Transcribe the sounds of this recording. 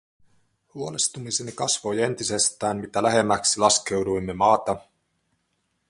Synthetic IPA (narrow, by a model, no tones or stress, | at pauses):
huo̞lest̪umisenikɑsʋo̞je̞nt̪ise̞st̪æːnmit̪ælæɦe̞mːæksilɑske̞wdujmːe̞mɑːt̪ɑ